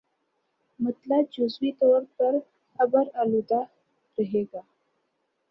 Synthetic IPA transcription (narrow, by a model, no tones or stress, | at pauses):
mət̪lad͡ʑusʋit̪oɾt̪əɾ | əbəɾalud̪a | ɾəɦeɡa